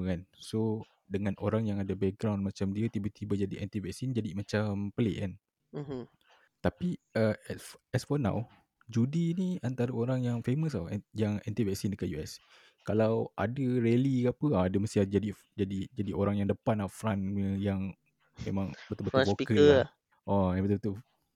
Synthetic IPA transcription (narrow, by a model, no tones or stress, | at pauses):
kanso | dəŋãnʔoɾaŋjaŋadəbɛk̚ɡɾawnmat͡ʃamdiət̪ibat̪ibad͡ʒadiʔɛnt̪ivɛksind͡ʒadimat͡ʃampəleʔkan | t̪apiəɛsfɔnã̰w | d͡ʒudiniant̪aɾəoɾaŋjaŋfeməs̬ajaŋɛnt̪ivɛksindəkanjuɛs | kalawʔa̰dəɾelikapəaːdəməst̪iad͡ʒadi | d͡ʒadid͡ʒadiʔoɾaŋjaŋdəpanafɾanəjaŋ | memãŋbət̪ulbət̪uokkəa | ɔjabət̪ubət̪u